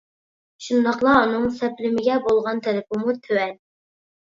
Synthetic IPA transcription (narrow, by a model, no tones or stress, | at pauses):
ʃund̪ɑqlˠɑːnɨŋsɛplɪmɪɡʲɛbolˠʁɑnt̪ʰɛlɪpɪmut̪ʰøwɛn